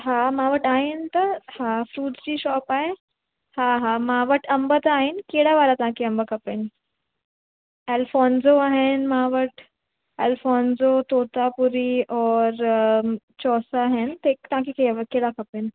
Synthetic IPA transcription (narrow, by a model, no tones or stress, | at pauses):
ɦaːmãːʋəʈaːɦɪnɪ̆t̪ɐhafɾuːʈzd͡ʑiːʃɔːpaːɦe | haɦamãʋəʈɐ̃mbət̪aːɦɪnɪ̆keːɽaʋaːɾat̪ɐʋ̤ãkʰeɐ̃mbəkʰɐpenɪ̆ | eːlfɔːnzoaːɦɪnmãʋəʈ | eːlfɔːnzot̪oːt̪apʊɾiɔːɾ | t͡ɕɔːsaːɦɪnɪ̆t̪ekt̪ɐʋ̤ãkʰekeʋkeːɽakʰɐpenɪ̆